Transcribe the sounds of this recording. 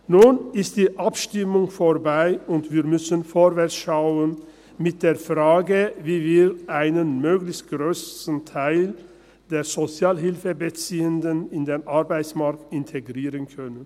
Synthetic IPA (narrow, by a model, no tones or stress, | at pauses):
nuːnɪst̚d̥iːʔapʃtɪmʊŋfoʁbaɪʊntv̥iːʁmʏsənfoːɾvɛʁt͡sʃaʊən | mɪt̚d̥eːɐfʁaːɡəviːviːɾʔaɪnənmøːɡlɪçt̚ɡ̥ʁøːsn̩tʰaɪl | d̥eːʁz̥ot͡sjaːlɦɪlfəbət͡siːəndənɪndeːnʔaʁbaɪsmaʁktɪntʰeɡʁiːʁənkʰœnən